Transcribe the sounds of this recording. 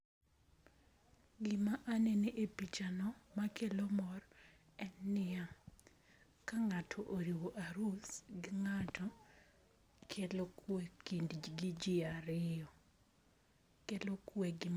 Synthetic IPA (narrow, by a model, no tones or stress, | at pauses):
ɡɪmaʔaneneʔepit͡ʃanɔmakelomɔr | ɛnːɪja | kaŋatʰɔʔoɾiwoʔaɾusɡɪŋatʰɔ | kʰelokwekindɡɪd͡ʒɪaɾɪɔ | kelokweɡɪm